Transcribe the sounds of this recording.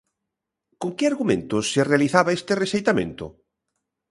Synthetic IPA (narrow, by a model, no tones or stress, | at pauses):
koŋkɪaɾɣumḛ̃nt̪ʊsːerealiθaβaest̪eresejt̪amḛ̃nt̪ʊ̰